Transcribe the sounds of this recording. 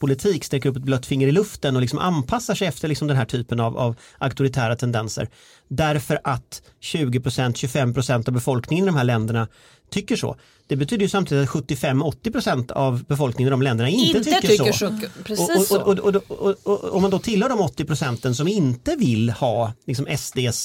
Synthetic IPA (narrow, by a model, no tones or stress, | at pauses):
pʰʊlɪt̪ʰiːkst̪ɛk̬ːəɾɵpːɛt̪̚blœt̪ːfɪŋːəɾɪlɵft̪ənɔlɪksɔmʔa̰npʰasːaʂɛɪjɛft̪əɭɪksɔmd̪ɛnɦæːʈʰyːpənava̰v | ʔakt̪ʊɾɪt̪ʰæːɾat̪ʰɛnd̪ɛnsə̰ɾ | ɖ̪æɾfœɾʔat̪ | ɕʉ̟ːɡɪpʰɾʊsɛnt̪ɕɵfɛmːpʰɾʊsɛnt̪avbɛfɔlknɪŋənɪd̪ɔmhɦæːɭɛnd̪əɳa | t̪ʰʏkːəʂo̰ː | d̪̥ɛbɛt̪ʰyːd̪əjɵsamt̪id̪ɪt̪at̪ɧɵt̪ːɪfɛmːɔt̪ːɪpʰɾʊsɛnt̪a̰vbɛfɔlknɪŋənɪd̪ɔmlɛnd̪əɳaɪnɪt̪əʏkːəʂɔ | ɔɔɔɔd̪ɔɔɔ̰mːand̪ɔt̪ʰɪlhœːɖɔmɔt̪ːɪpʰɾʊsɛnt̪ənsɔmɪnt̪əvɪlːhɑːlɪksɔmɛsd̪eːs